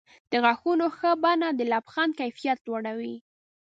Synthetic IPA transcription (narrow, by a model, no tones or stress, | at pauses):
d̪̥əɣaxunoxəbanad̪əlabxɑnkajfijat̪̚aɽawi